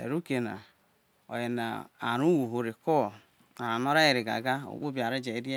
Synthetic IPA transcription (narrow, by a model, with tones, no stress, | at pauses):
ḛ˨ɾu˦ke˨na̰˨ | o̰˨je˨na̰˨a̰˨ɾu˦wo˨ɦo˨ɾe˨kɔ˦˨ | a˨ɾa˨no˦ɾa˦ji˨ɾi˨ɡa̰˨ɡa˦o̰˨k͡po˦bi˨a˨ɾi˦d͡ʒe˨i˦de˦